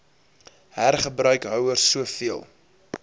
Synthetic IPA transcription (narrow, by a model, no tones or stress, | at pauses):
hærχəbrœɥkɦœwərsːuəfiəlˠ